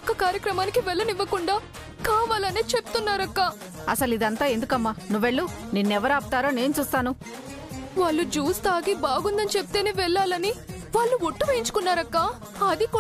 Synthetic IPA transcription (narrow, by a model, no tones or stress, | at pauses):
kːɐkaːɾjɐkɾɐmaːnikiʋɛɭːɐniʋːɐkuɳɖaː | kaːʋaːlɐneːt͡ʃepu̥t̪unːaːɾɐkːa | ɐsɐlid̪ɐnt̪aːend̪ukɐmːanuʋːeɭːuninːɛʋɐɾaːput̪aːɾoːne̞ːnut͡ʃuːst̪aːnu | ʋaːɭːud͡ʒuːst̪aːɡibaːɡund̪ɐnit͡ʃepu̥t̪eːneːʋɛɭːaːlɐni | ʋaːɭːuʋoʈːuʋɐiɲt͡ʃu̥kunːaːɾɐkːaː | ɐd̪ik